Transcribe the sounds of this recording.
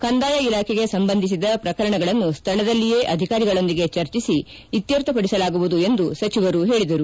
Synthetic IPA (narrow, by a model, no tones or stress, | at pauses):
kɐnd̪aːjɐilaːkʰɛɡe̞sɐmbɐnd̪ʱis̬id̪ɐpɾɐkɐɾɐɳɐɡɐɭɐnːust̪ʰɐɭɐd̪ɐlːije̞ːʔɐd̪ʱikaːɾiɡɐɭo̞nd̪iɡe̞t͡ʃɐɾt͡ʃisi | it̪jɐɾt̪ɐpɐɽisɐlaːɡuʋud̪ue̞nd̪usɐt͡ʃiʋɐɾuɦe̞ːɭid̪ɐɾu